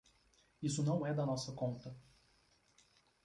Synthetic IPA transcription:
isʊnɐ̃w̃ɛd̪ɐnɔsɐkõnt̪ɐ

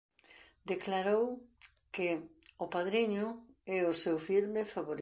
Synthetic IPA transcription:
d̪eklaɾow | kɪʊpaðɾiɲʊ | ɛʊsewfiɾmɪfaβoɾ

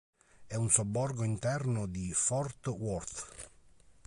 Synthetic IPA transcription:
ɛunsobːɔrɡoint̪ɛrnʊd̪ifɔrt̪wɔrt̪

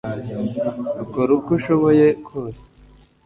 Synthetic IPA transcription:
uɡoɾukuʃoβojekʰoːse̥

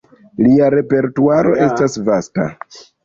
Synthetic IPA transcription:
liaɾe̞pe̞ɾtuaɾo̞ʔe̞stasvasta̰

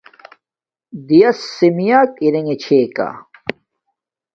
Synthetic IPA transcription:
d̪ijɐsːimijaːkiɾeŋet͡ɕʰeːka̰

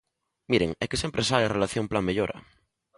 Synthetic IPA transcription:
miɾeŋekesjempɾesaljarelaθjomplameʎoɾa̰

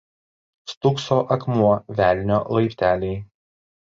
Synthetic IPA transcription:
st̪ʊksoːʔɐkmuɔʋʲæːlʲnʲoːlˠɐɪpʲt̪ʲæːlʲɛɪ

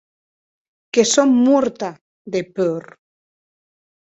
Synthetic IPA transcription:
kesomːuɾt̪a | ðepøɾ

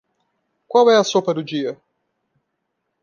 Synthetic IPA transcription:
kwawɛɐsopɐd̪ʊd͡ʒiɐ

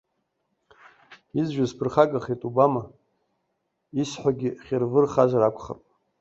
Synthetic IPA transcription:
izʒᶣazpʰɨrχaɡʼaχetʼubama | isħʷaɡʲiχʲɪrvɨrχazʷaɾakʷʰχa̰rpʼ

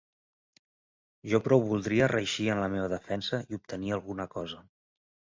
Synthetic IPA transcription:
ʒɔpɾɔwβulˠd̪ɾiərəʃiənləmeβəðəfɛnsəiup̚t̪əniəlˠɣunəkɔzə

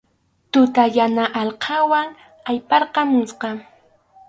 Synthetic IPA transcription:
t̪ʊt̪ajanaʔɑlqʰɑwaŋ | ajpɑɾqɑmʊsqɑ

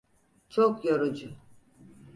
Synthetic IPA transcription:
t͡ʃʰokjaɾud͡ʒʊ

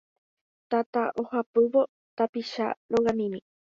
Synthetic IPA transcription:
t̪at̪aʔohapɨʋo̞ | t̪apiʃa̰ɾoɣamĩmĩ

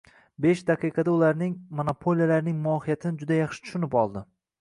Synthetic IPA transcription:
be̞ʃd̪aqʰɨjqʰɑd̪aʊlaɾnɪŋmonopʰo̞lijalaɾnɪŋmʊɒhijat̪ʰɪnɪd͡ʒʊd̪ajɑχʃɪ̥t̪ʰʊ̥ʃʊnɪpɒlˠd̪ɪ

